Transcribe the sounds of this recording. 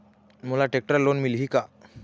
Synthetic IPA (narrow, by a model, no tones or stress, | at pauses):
mulaʈek̚ʈɾəɾlonmilɦiːka